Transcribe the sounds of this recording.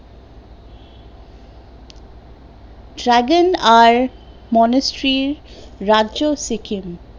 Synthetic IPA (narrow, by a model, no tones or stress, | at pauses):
ɖɾæɡənaɾ | mɔnəsʈɾiɾːad͡ʒosikʰim